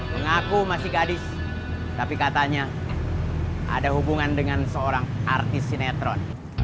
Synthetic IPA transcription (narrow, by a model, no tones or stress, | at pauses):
məŋakumasɪhɡadɪs | t̪apikat̪aɲa | ʔa̰daɦubuŋandəŋansəoɾaŋart̪ɪsːinɛt̪ɾɔn